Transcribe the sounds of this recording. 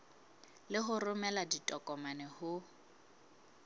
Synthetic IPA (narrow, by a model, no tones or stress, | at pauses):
lɪɦʊrʊmɛladitʼɔkʼɔmanɛhʊ